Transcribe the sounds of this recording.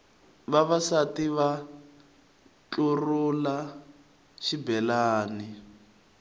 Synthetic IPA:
βaβasatiβa | t͡ɬurula | ʃibɛlaːni

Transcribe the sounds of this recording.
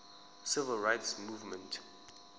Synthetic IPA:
sɪvəlˠɹaɪtsmuvmɛ̃nt

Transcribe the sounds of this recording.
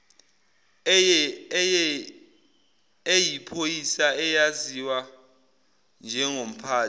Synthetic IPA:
ejipʰojisaɛjaziwa | nd͡ʒʱɛŋom̩pʰaː

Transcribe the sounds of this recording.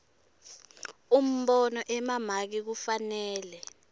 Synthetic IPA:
um̩ɓɔnɔʔɛmamak̬ik̬ufanɛːlɛ

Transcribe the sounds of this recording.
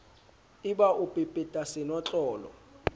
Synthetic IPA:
iɓaʔupʼipʼɛtʼasɛnɔt͡ɬʼɔːlɔ̰

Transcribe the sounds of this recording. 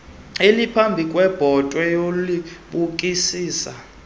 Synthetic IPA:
elipʰambʱikʼwɛb̥ʱɔtʼwɛjoliɓukʼisiːsa

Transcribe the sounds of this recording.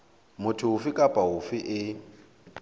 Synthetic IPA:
mʊtʰʊʊfɪkʼapʼaɦʊfɪʔɪ

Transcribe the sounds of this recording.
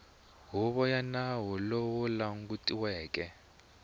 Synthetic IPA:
ɦuɓɔjanawɔlowɔlaŋk̬ʼutʼiwɛːkʼɛ

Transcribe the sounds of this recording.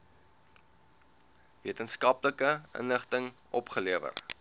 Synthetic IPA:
viətənskɐpləkəə̰nləχtəŋʔɔpχəliəvə̰r

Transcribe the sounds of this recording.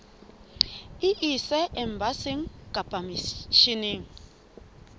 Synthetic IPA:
iʔisɛʔɛm̩basiŋ̩kʼab̥ʼamiʃiniŋ̩

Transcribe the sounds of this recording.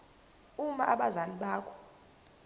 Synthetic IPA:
umaʔaɓazaniɓaːkʰɔ̥

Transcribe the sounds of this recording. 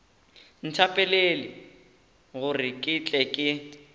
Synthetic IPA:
n̩tʰapʼɛlelɪ | ɣʊrɪkʼɪt͡ɬʼɛkʼɪ

